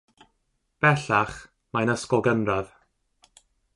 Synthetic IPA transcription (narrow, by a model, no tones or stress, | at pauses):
b̥ɛɬaχ | majnəskɔlˠɡənrað